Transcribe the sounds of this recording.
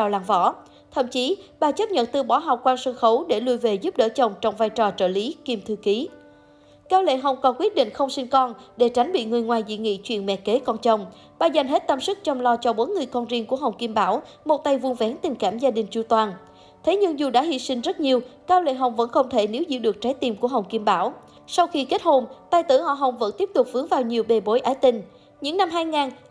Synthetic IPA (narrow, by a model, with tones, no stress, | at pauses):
aː˨˩wlaː˧˩ŋvɔ̰˧˩ | t̪ʰə̰˧˨mt͡ɕi˨˦ɓaː˨˩t͡ɕə˦˥p̚ɲə̰˧˨nt̪ɨ˧ɓɔ˧˩˦ɦa˨˩wk͡p̚kwaː˧nsə˧nxə˨˦wɗe˧˩lu˧jve˨˩zu˦˥p̚ɗə̰ː˧˥t͡ɕə˨˩wŋ͡mt͡ɕɔ˧wŋ͡mvaː˧jt͡ɕɔ˨˩t͡ɕə̰ː˧˩li˨˦ki˧mt̪ʰɨ˧ki˨˦ | kaː˧wlḛ˧˨ɦə˨˩wŋ͡mkɔ˨˩nkwi˦˥ət̚ɗḭ˧˨ŋ̟xə˧wŋ͡msï˧ŋkɔ˧nɗe˧˩t͡ɕa˨˦jŋ̟ɓḭ˧˨ŋɨ˨˩əjŋwaː˨˩jzḭ˧˨ŋḭ˧˨t͡ɕwḭ˧˨ənmɛ̰˧˨ke˨˦kɔ˧nt͡ɕə˨˧˩wŋ͡m | ɓaː˨˩za˨˩jŋ̟ɦe˦˥t̚t̪ə˧msɨ˦˥k̚t͡ɕɔ˧wŋ͡mlɔ˧t͡ɕɔ˧ɓo˨˦nŋɨ˨˩əjkɔ˧nzi˧əŋku˧˩əɦə˨˩wŋ͡mki˧mɓaː˧˩w | mo˨˩t̚t̪a˧jvu˧ənvɛ˨˦nt̪ï˨˩ŋ̟kaː˧˩mzaː˧ɗï˨˩ŋ̟t͡ɕu˧˩t̪waː˨˩n | t̪ʰe˨˦ɲɨ˧ŋzu˨˩ɗa̰ː˧˥hḭ˧˨sï˧ŋ̟zə˦˥t̚ɲi˨˧əwkaː˧wlḛ˧˨ɦə˨˩wŋ͡mvə̰˧˥nxə˧wŋ͡mt̪ʰe˧˩ne˨˦wzḭ˧˨ɗɨ˨˩ək̚t͡ɕa˨˦jt̪i˨˧˩mku˧˩əɦə˨˩wŋ͡mki˧mɓaː˧˩w | sa˧wxi˧ke˦˥t̚ho˧mt̪aː˧jt̪ɨ̰˧˩hɔ̰˧˨ɦə˨˩wŋ͡mvə̰˧˥nt̪i˦˥əp̚t̪ʊ˨˩k͡p̚fɨ˨˦əŋvaː˨˩wɲi˨˩əwɓe˨˩ɓo˨˦jʔaː˨˦jt̪ï˧ŋ̟ | ɲɨ̰˧˥ŋna˧mɦaː˧jŋaː˨˩n